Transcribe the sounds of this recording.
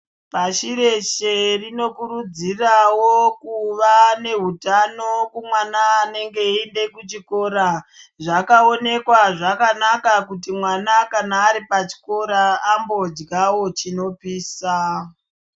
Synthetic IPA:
paʃire̞ʃe̞rino̞kuɾud͡zirawokuʋane̞ɦutano̞kumwanaːne̞ŋɡe̞ende̞kut͡ʃiko̞ːɾa | ʐakao̞ne̞kwaʐakanakakut̬imwanakanaːɾipat͡ʃi̥ko̞ɾaːmbo̞d͡ʒɡawo̞t͡ʃino̞piːsa

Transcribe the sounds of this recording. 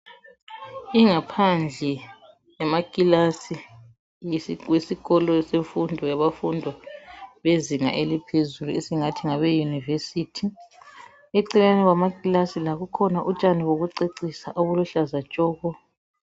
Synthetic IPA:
iŋapʰand͡ɮʱɛ | jamakʼilasi | jwesiɣɔlɔseɱfundʱɔjaβafundʱɔβeziŋa̰ʔelipʰezuluesiŋatʰiŋaβɛjunivesitʰi | eǀilanɛɣamakʼilasilaɣukʰɔnaʔut͡ʃʼaniwoɣuǀeǀisaʔoβuluɬazat͡ʃʼɔːɣɔ

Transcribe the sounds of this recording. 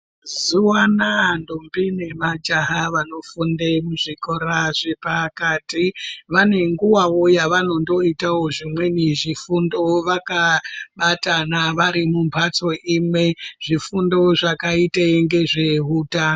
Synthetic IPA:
zuwanandombine̞mad͡ʒaɦaʋano̞fundemuʐiko̞ɾaʐepakatiʋane̞ŋɡuwawo̞jaʋano̞ndo̞itawo̞ʐimwe̞niʐifundo̞ʋakaɓatanaʋaɾimumpʰat͡so̞ʔimwe̞ʐ̥ifundo̞ʐakaiteŋɡe̞ʐe̞ɦutaːno

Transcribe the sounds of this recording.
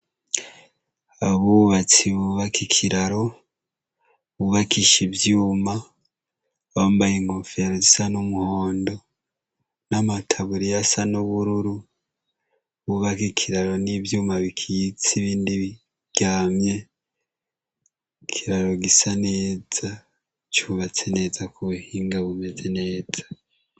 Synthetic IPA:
aβuβat͡siβuβakikʰiɾaɾo̞ | βuβakiʃivjuːma | βambajiŋofiaɾozisanumuhoːndo̞ | namatʰaβuɾijasanuβuɾuɾu | βuβakikʰiɾaɾo̞nivjuːmaβikʰijit͡siβiːndiβi | ɡ̥aːmɲe̞ | kʰiɾaɾo̞ɡisane̞ːza | t͡ʃuβat͡se̞ne̞ːzakuhiːŋɡaβume̞ze̞ne̞ːd͡z̥ḁ

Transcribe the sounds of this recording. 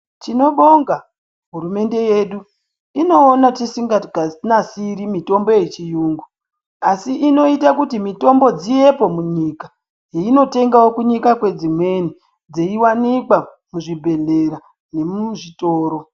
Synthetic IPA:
t͡ʃino̞ɓo̞ŋɡa | ɦuɾume̞nde̞jeɗu | ino̞ːnatisiŋɡaɡʱanasiɾimito̞mbo̞jet͡ʃijuːŋɡu | asiʔino̞itakutimito̞mbo̞d͡zije̞po̞muɲika | jeino̞te̞ŋɡawokuɲikakwe̞d͡zimwe̞ni | d͡zeiwanikwa | muʐibʱe̞ɮe̞ɾa | ne̞muʐito̞ːɾo̞

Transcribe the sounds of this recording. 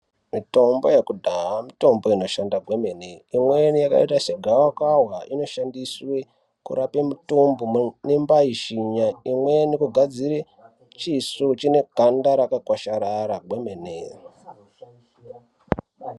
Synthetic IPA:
mito̞mbo̞jekudʱaɦamito̞mbo̞ino̞ʃandaɡwe̞me̞neimwenijaka̰itaseɡʱawakwaɦwaʔino̞ʃandiswe̞ | kṵɾape̞mutombonembaiʃiɲaimwe̞nikuɡʱad͡ziɾe | t͡ʃisut͡ʃine̞ɡʱandaɾakakwaʃaɾaɾaɡʱwe̞mene

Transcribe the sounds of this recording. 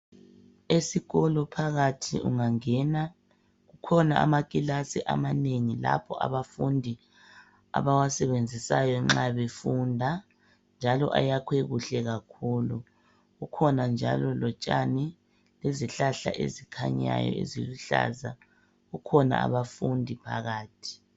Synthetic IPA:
esiɣɔlɔpʰaɣatʰḭṵŋaŋɛna | ɣukʰɔnaamakʼilasiʔa̰maneŋila̰pʰɔʔa̰βafundʱi | a̰βawasɛβend͡zʱisajɔŋ͡ǁaβefundʱa | nd͡ʒʱalɔʔajakʰweɣuɬɛɣakʰuːlu | ɣukʰɔnand͡ʒʱa̰lɔlɔt͡ʃʼani | leziɬaɬa̰ʔḛzikʰaɲa̰jɔ̰ḛziluɬa̰ːza | ɣukʰɔna̰a̰βafundʱipʰa̰ɣaːtʰi̥

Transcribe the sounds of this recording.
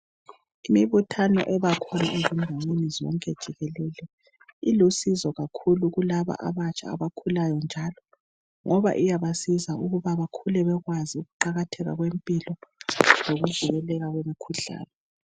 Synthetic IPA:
imiβutʰanɔ̰ʔɛβakʰɔna̰ʔezimdʱaŋ͡ǀwenizɔ̰ŋkʼɛd̥ʒ̥ʱiɣɛlɛlɛ | ilusizɔɣakʰuluɣulaβa̰ʔa̰βat͡ʃʼa̰ːβakʰulajɔnd͡ʒʱalɔ | ŋʔɔβa̰ʔijaβasizauɣuβaβakʰulɛβɛɣwaziuɣuǃaɣatʰɛɣa̰ɣwempʼilɔzoɣuɮuɣɛlɛɣaɣwemikʰuɮa̰ːlɔ

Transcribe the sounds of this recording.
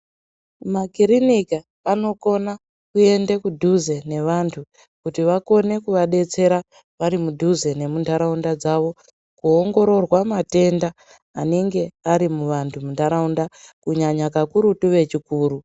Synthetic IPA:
makiɾinikaː | no̞ko̞na | kue̞ndekudʱuze̞ne̞ʋantʰu | kutiʋako̞ne̞kuʋaɗe̞t͡se̞ɾa | ʋaɾimudʱuze̞ne̞mundʱaɾaundad͡zaʋo̞ | kuoŋɡo̞ɾo̞rwamate̞ndaː | ne̞ŋɡe̞aɾimuʋantʰumundʱaɾaundakuɲaɲakakuɾutuʋe̞t͡ʃikuːru

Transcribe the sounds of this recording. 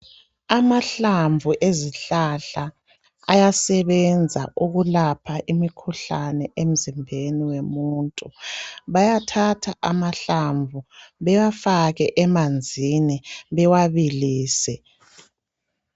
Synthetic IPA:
amaɬaɱvʱuʔeziɬaɬaː | jasɛβɛnd͡zʱaʔuɣulapʰaʔimikʰuɬanɛʔem̩zimbʱeniwemuːntʼuβajatʰatʰaʔamaɬaɱvʱuβɛwafaɣɛʔɛmand͡zʱiniβɛwaβiliːsɛ

